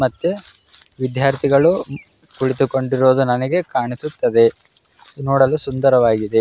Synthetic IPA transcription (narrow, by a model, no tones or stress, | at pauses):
mɐt̪ːeʋid̪jaːɾt̪ʰiɡɐɭu | kuɭit̪uko̞ɳɖiɾoːd̪unɐnɐɡe̞kaːɳisut̪ːɐd̪e̞ | noːɽɐlusund̪ɐɾɐʋaːɡid̪e̞